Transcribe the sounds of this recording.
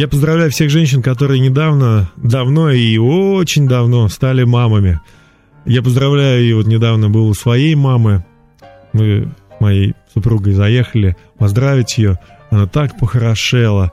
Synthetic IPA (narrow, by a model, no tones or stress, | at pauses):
japəzd̪ɾɐvlʲæjʊfsʲe̞xʐɛnʲɕ̬ɪnkɐt̪o̞ɾɨjənʲɪd̪avnəd̪ɐvno̞ioot͡ɕɪnʲd̪ɐvno̞st̪alʲɪmaməmʲɪ | japəzd̪ɾɐvlʲæjʊɪvo̞t̪nʲɪd̪avnəbɨlˠʊsvɐjejmamɨ | mɨsmɐjejsʊpɾuɡəjzɐjexəlʲɪ | pɐzd̪ɾavʲɪtʲjɪjonat̪akpəxəɾɐʂɛlˠə